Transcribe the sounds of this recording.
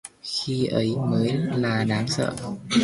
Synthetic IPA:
xi˧ʔə˨˦jməː˨˦jlaː˨˩ɗaː˨˦ŋsə̰ː˧˨

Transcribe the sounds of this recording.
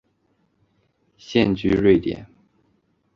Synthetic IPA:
ɕjɛ˥˧nt͡ɕy˥ɻwe˥˩ɪt̪jɛ̰˨˩˦n

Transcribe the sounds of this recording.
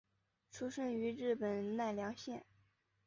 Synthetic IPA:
ʈ͡ʂʰu˥ʂə˥˩ny˧˥ɻɻ̩˥˩pə˨˩nna˥˩ɪljɑ˧˥ŋɕjɛ˥˩n

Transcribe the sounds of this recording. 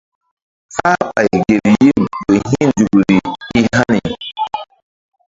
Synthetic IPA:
fa˦pa˨i˨ɡe˨ɾji˦be˨ɦi˦nd͡ʒu˨ɡu˨ɾi˨i˦ɦa˦ni˨

